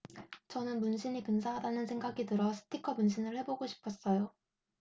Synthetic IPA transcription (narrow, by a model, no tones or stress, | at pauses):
t͡ɕʌnɯnmunɕʰinikɯns̬ʰaɦadanɯnsʰe̞ŋɡaɡitɯɾʌsʰɯ̥tʰikʰʌmunɕʰinɯɭhe̞boɡoɕʰi̥pʰʌs͈ʌjo